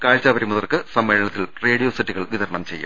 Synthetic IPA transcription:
kaːɻt͡ɕaːbɐɾimuðɐrkɨsɐmːeːɭɐɳɐt̪ːilre̞ːɽijoːsitːiɣɐɭʋiðɐrɳɐmt͡ɕe̞jːṵm

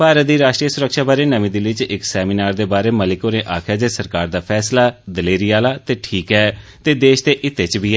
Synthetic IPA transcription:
paːɾət̪d̪iːɾaːʃʈɾiːəsʊɾəkʃaːbaːɾeːnəʋĩːd̪ɪlɪt͡ʃɪksɛːminaːɾd̪eːbaːɾeːməlɪkoːnẽːʔaːkʰjaːd͡ʒeːsəɾkaːɾd̪aːpʰɛːslaːd̪əleːɾijaːlaːt̪eːʈʰiːkɦɛːt̪eːd̪eːʃd̪eːʔɪt̪ːeːt͡ʃbʱiːɛː

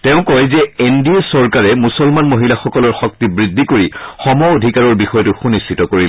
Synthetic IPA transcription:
teʊ̃kɔjzɛendiesɔɹkaɹɛmusɔlmanmoɦilaxɔkɔlɔɹxɔk̚tibɹidʱːikoɹixɔmɔodʱikaɹɔɹbixɔjɔtʊxunistʰitɔkoɹi

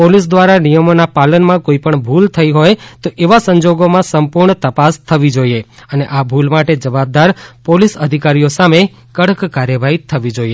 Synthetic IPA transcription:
polisd̪ʋaɾanijəmonapalənmãkoipəɳbʱult̪ʰəiɦojt̪oʔeʋasə̃ɲd͡ʒoɡomãsəmpuɾɳt̪əpast̪ʰəʋid͡ʒoieəneʔabʱulmaʈed͡ʒəʋab̚d̪aɾpolisəd̪ʱikaɾijosame | kəɽəkkaɾjəʋaɦit̪ʰəʋid͡ʒoie

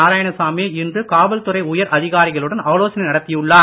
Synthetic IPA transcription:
aːɾaːjɐɳɐsaːmeːɪndrɯkaːʋɐlt̪ʊrɐɪʊjɐɾʔɐðɪɣaːɾɪɣɐɭɯɽɐnɐʋɐloːsɐnɐɪnɐɽɐt̪ːɪjɯɭːaː

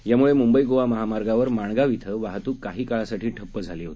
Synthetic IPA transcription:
jamuɭemumbəiɡoʋaməɦamaɾɡaʋəɾmaɳɡaʋit̪ʰəʋaɦt̪uːkːaɦiːkaɭasaʈʰiːʈʰəpːəd͡zʱaliːɦo̰t̪i̥

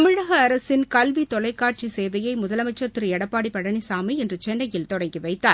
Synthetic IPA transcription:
ɐmɪɻɐɣɐːɾɐsɪnkɐlʋit̪ɔlɐɪkːaːʈ̚t͡ʃiseːʋɐjɐɪmʊðɐlɐmɐɪt͡ʃːɐɾt̪ɪɾɯɛɽɐpːaːɽipɐɽɐnisaːmiɛndrɯt͡ʃɛːnːɐjɪlt̪ɔɽɐŋɡiʋɐɪt̪ːaːɾ

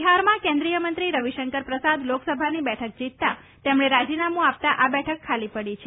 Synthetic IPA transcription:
ɦaɾmãkẽnd̪ɾijəmənt̪ɾiɾəʋiʃəŋkəɾpɾəsad̪loksəbʱanibɛʈʰək̚d͡ʒit̪ːa | t̪emɳ̃eɾad͡ʒinamũap̚t̪aʔabɛʈʰəkʰːalipəɽit͡ʃʰe

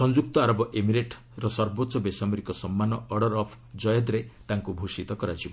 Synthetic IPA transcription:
sɔnd͡ʒuk̚t̪ɔaɾɔbɔʔemiɾeʈ | ɾɔsɔɾbot̪ːʃɔbesamiɾikɔsɔmːanɔʔɔɽɔɾɔpʰ | d͡ʒɔjɔd̪ɾet̪aŋkubʱusit̪ɔkɔɾad͡ʒibɔ

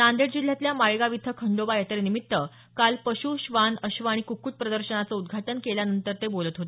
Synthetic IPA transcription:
and̪eɽd͡ʑil̤ːjat̪ljamaɭɡaʋit̪ʰːəkʰəɳɖobajet̪əɾenimit̪ːə | kalpəɕuɕʋanəɕʋaɽ̃ikukuːʈ̚pɾəd̪əɾɕənat͡səud̪ɡʱaʈənkeljanənt̪əɾt̪ebolət̪ɦot̪ee

